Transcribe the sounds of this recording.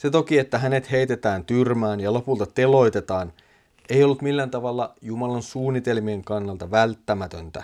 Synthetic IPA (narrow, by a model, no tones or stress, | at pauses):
set̪okiet̪ːæɦæne̞t̪he̞jt̪e̞t̪æːnt̪yrmæːnjɑlo̞pult̪ɑt̪e̞lo̞jt̪et̪ɑːn | eijo̞lːut̪milːænt̪ɑʋɑlːɑjumɑlɑnsuːnːit̪e̞lmieŋkɑnːɑlt̪ɑʋælt̪ːæmæt̪ønt̪æ̰